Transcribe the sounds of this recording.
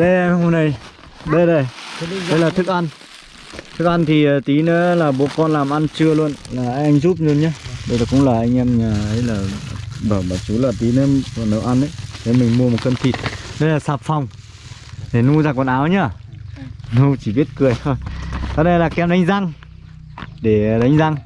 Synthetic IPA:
ɗə˧jho˧nə˧˩j | ɗə˧jɗə˨˧˩jɗə˧jlaː˨˩t̪ʰɨ˦˥k̚ʔa˧n | t̪ʰɨ˦˥k̚ʔa˧nt̪ʰi˨˩ə˨˩t̪i˨˦nɨ˨˦laː˨˩ɓo˨˦kɔ˧nlaː˨˩mʔa˧nt͡ɕɨ˧əlu˧ə˨nlaː˨˩ʔa˧ʔa˧jŋ̟zu˦˥p̚ɲu˧nɲaː˧˦ɗə˧zaː˨˩kʊ̰˧˥ŋ͡mlaː˨˩ʔa˧jŋʔɛ˧mɲaː˨˩ə˨˦jlaː˨˩ɓəː˧˩ɓaː˨˩t͡ɕu˨˦laː˨˩t̪i˨˦nəː˧˦fɔ˧˩nə̰˨˧˨wʔa˧nʔə˨˦jt̪ʰe˨˦mï˨˩ŋ̟mu˧əmo˨˩t̚kə˧mt̪ʰi˨˩t̚ɗə˨˦jlaː˨˩saː˨˩p̚fa˨˩wŋ͡m | ɗe˧˩nu˧zaː˧kɔ˧nʔaː˨˦wɲaː˧˩ | nu˧t͡ɕi˧˩ɓi˦˥ət̚kɨ˨˩əjt̪ʰo˧jt̪ɔ˧˦ne˧jlaː˨˩kɛ˧wɗa˨˦jŋ̟za˧ŋ | ɗe˧˩ɗa˨˦jŋ̟za˧ŋ

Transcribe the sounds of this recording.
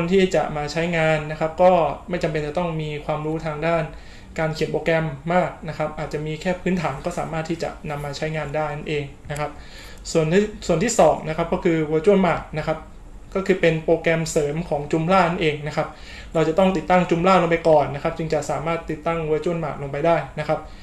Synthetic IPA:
kʰo˧nt̪ʰiː˥˩t͡ɕa̰˨˩ʔmaː˧t͡ɕʰa˦˥jŋaː˧nːa˦˥kʰa˦˥p̚kɔː˥˩ma˥˩jt͡ɕa˧mpe˧nt͡ɕɛ˨˩t̪ɔ˥˩ŋmiː˧kʰwaː˧mɾuː˦˥t̪ʰaː˧ŋdaː˥˩n | kaː˧nkʰi˨˩˦npoː˧kɛ˧mːaː˥˩k̚na˦˥kʰp̚ʔaː˨˩t̪̚t͡ɕa˨˩miː˧kʰɛː˥˩pʰɯː˦˥nt̪ʰaː˩˦nkɔː˥˩saː˩˦maː˥˩t̪ʰːiː˥˩t͡ɕa̰˨˩ʔna˧mːaː˧t͡ɕʰa˦˥jŋaː˧ndaː˥˩jna˥˩nʔeː˧ŋna˦˥kʰa˦˥p̚ | su˨˩ən˥˩su˨˩ənt̪ʰiː˥˩sɔː˩˦ŋna˦˥kʰa˦˥p̚kɔː˥˩kʰɯː˧wɤː˧t͡ɕu˥˩ənmaː˨˩t̪̚na˦˥kʰa˦˥p̚ | kɔː˥˩kʰɯː˧pe˧npoː˧kɛ˧msɤː˩˦mkʰɔː˩˦ŋt͡ɕu˧mlaː˥˩na˥˩nʔeː˧ŋna˦˥kʰa˦˥p̚ | ɾa˧wt͡ɕa˨˩t̪ɔ˥˩ŋt̪i˨˩t̪ːa˥˩ŋt͡ɕu˧mlaː˥˩lo˧ŋp̬a˧jkɔː˨˩nːa˦˥kʰa˦˥p̚t͡ɕɯ˧ŋt͡ɕa˨˩saː˩˦maː˥˩t̪ːi˨˩t̪ːa˥˩ŋwəː˧t͡ɕu˥˩ənma̰ː˨˩t̪̚loː˧ŋpa˧jdaː˥˩jna˦˥kʰa˦˥p̚

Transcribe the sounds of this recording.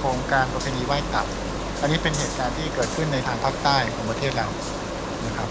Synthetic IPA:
pʰo˩˦ŋkaː˧npa˧pʰeː˧niː˧waː˥˩jt̪a̰˨˩t̚ | ʔa˧nːiː˦˥pe˧nɦeː˨˩t̪̚kaː˧nt̪ʰiː˥˩kɤː˨˩t̪̚kʰɯ˥˩nːa˧jt̪ʰaː˧ŋpʰaː˥˩k̚t̪aː˥˩jkʰɔː˩˦ŋpɾa˧t̪ʰeː˥˩t̪̚la˧˥w̚ | na˦˥kʰɾa˦˥p̚

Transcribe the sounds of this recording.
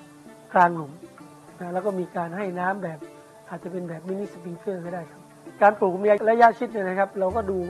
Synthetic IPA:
klaː˧ŋlu˨˩˦m | na˦lɛː˦˩wkɔː˥˩miː˧kaː˧nɦa˥˩jnaː˦˥mbɛː˨˩p̚ | ʔaː˨˩t̪̚t͡ɕa˨˩pe˧nbɛː˨˩p̚miː˦˥ni˦˥˩spi˧ŋkɤː˥˩kɔː˥˩daː˥˩jkʰa˦˥p̚kaː˧npuː˨˩k̚miː˧ʔa˧˥la˦˥ja˦˥t͡ɕʰi˦˥t̪̚na˧˩na˦˥kʰa˦˥p̚ɾa˧wkɔː˥˩duː˧wa˧˩

